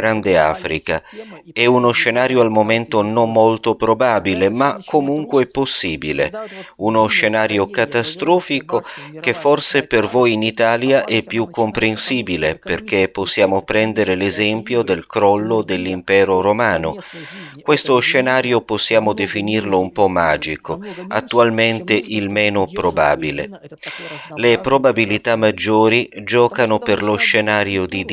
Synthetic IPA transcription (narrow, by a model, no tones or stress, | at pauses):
ɾand̪ea̰ːfɾḭka̰ɛunoʃːenaːɾjoalmoment̪onomːolt̪opɾobaːbilemakʰːomuŋkwɛpːosːiːbilḛunoʃːenaːɾjokat̪ast̪ɾɔːfikok̟efːorsepervojinit̪aːljaʔɛpːjukːompɾensiːbileperk̟epːosːjaːmopɾɛnd̪eɾelezɛmpjod̪elkɾɔlːod̪elːimpɛːɾoɾomaːnokwest̪oʃːenaːɾjoposːjaːmod̪efinirloumpɔmːaːd͡ʒikoat̪ːualment̪eʔilmɛːnopɾoba̰ːbilḛ | lepɾobabilit̪amːad͡ʒːoːɾid͡ʒɔːkanoperloʃenaːɾjod̪id̪